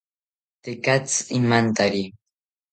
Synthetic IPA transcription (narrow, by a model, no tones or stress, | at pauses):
t̪ekat͡simant̪aɾi